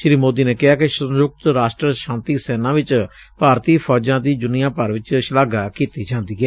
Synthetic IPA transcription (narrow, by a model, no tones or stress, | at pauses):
ʃɾiːmoːd̪iːneːkɪɦaːkɪʃənjʊk̚t̪ɾaːʃʈɾəʃãːnt̪iːsɛːnãːʋɪt͡ʃ | paːɾt̪iːpʰɔːd͡ʒãːd̪iːd͡ʒ̪ʊnɪjãːpəɾʋɪt͡ʃʃəlaːɡaːkiːt̪iːd͡ʒãːnd̪iːɡɛː